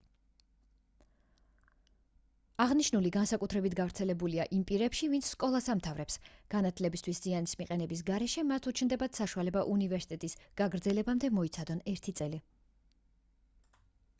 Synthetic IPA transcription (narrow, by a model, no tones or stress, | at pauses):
aʁniʃnuliɡansakʼut̪ʰɾɛbit̪ʰɡavɾt̪sʰɛlɛbuliaʔimpʼiɾɛpʃivint̪sʰskʼɔlˠasamt̪ʰavɾɛpsɡ̥anat̪ʰlɛbist̪ʰwiszianismiqʼɛnɛbis̬ɡaɾɛʃɛmat̪ʰut͡ʃʰnd̪ɛbat̪saʃualɛbaʔunivɛɾsi̥t̪ʼɛt̪ʼisɡ̥aɡɾd̪zɛlɛbamd̪ɛmɔit̪sʰad̪ɔnɛɾt̪ʰit̪sʼɛli